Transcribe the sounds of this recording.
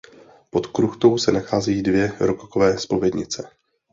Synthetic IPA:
po̞t̪kɾuxt̪o̞wsɛnaxaːzɛjiːdvjɛɾokokovɛːspo̞vjɛdɲɪt͡sɛ

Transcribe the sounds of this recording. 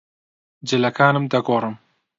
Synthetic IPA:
d͡ʒɪlɐkʰaːnɨmd̪ɐɡoːrˤɨm

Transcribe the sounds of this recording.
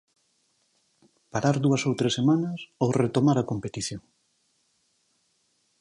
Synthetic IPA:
paɾaɾðuɐsowt̪ɾesemanɐsowret̪omaɾɐkompet̪iθjoŋ

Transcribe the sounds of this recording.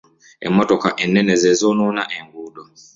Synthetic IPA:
ɛ̰mɔtɔkaʔɛnːɛnɛzɛzɔnɔnaʔɛŋɡuɗɔ

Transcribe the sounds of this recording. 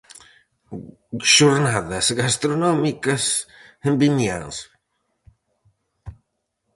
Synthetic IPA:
ʃuɾnaðɐsɡast̪ɾonɔmikɐsembinja̰ns

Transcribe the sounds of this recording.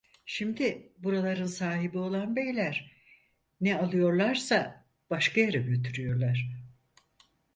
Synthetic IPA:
ʃimd̪ɪbuɾalˠaɾɯnsaːɦibio̞lˠanbejlʲæɾ | nɛalˠɯjo̞ɾlˠaɾsa | b̥aʃkʰajaɾɛɟø̞t̪ʰyɾyjo̞ɾlˠaɾ̥

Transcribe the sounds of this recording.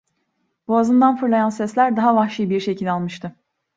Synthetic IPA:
b̥uazɯnd̪anfɯɾlˠajansɛslʲæɾd̪aɦavaxʃijbiɾʃe̞cʰilʲalˠmɯʃt̪ʰɯ

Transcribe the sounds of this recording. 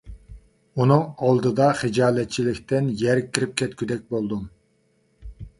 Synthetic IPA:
unɨŋɑlˠd̪ɨd̪ɑχɨd͡ʒɑːlˠɛt̪̚t͡ʃʰilɪkʲt̪ɪnjɛɾkʲʰːiɾɪp̚kʲʰɛt̪̚kʲʰyd̪ɛk̚ʲbolˠd̪um

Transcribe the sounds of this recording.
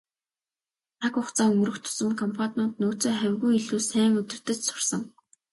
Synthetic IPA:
t͡s̪ʰakʊχt͡saːɵmɵ̆ɾɵ̆xt̪ʰʊ̥sə̆mkʰɔmpʰɔt̪ment̪̚noːt͡soːχæwʲɣujiɮuːsæːŋɵt̪ɵ̆r̥t̪ɘ̆t͡ɕsʊ̥rsə̆ŋ

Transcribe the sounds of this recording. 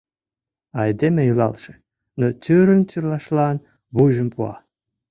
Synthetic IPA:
ɑjd̪emejəlɑ̰lʃĕ̥ | not̪ʲyɾənt̪ʲyrlɑʃlɑn | βujʒəmpuɑ̰

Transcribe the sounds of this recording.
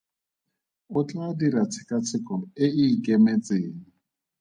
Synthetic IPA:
ʊt͡ɬʼadiɾat͡sʰɪ̥kʼat͡sʰɪkʼɔɪikemet͡sʼeːŋ̩

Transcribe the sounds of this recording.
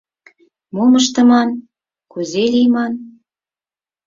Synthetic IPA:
moməʃt̪ɤ̆mɑn | kuzelijmɑn

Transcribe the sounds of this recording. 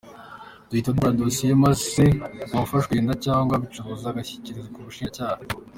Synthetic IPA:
d̥uitaduɾadosijemasiaufaʃɡweːndacaːŋɡwaβit͡ʃuɾozaɡaçi̥ciɾizekuβuʃiːɲacaːha

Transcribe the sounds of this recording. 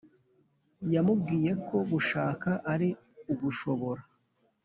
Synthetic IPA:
jamub̚ɡiːje̞kʰo̞ɡuʃaːkaʔaɾi | uβuʃoβo̞ɾa

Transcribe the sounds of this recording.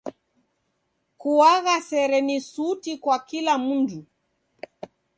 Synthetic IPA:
kuwaɣasɛɾɛnisutikwakilamundu

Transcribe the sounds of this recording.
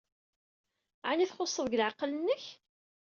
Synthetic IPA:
ʕaniθχosˤːəðˤɡlʕɑqːlənːəç

